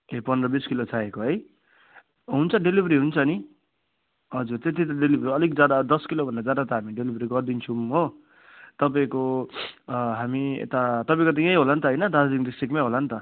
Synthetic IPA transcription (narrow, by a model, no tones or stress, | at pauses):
epʌnd̪rʌbiskilot͡sʰaɦekoɦʌj | ɦunt͡sʰʌɖelibʱʌɾiɦunt͡sʰʌni | ɦʌd͡zurt̪et̪̬ʰit̪ʌɖelibʱɾiʌlik̚d͡zad̪ad̪ʌskilobʱʌndad͡zad̪at̪ʌɦamiɖelibʱʌɾiɡʌrd̪int͡sʰumɦo | t̪ʌp̬aĩko | ɦamiḛt̪at̪ʌpaĩkot̪̬ʌjãj̃ɦolant̪ʌɦʌjnʌd̪ad͡zad͡ziŋd̪isʈikmajɦolant̪ʌ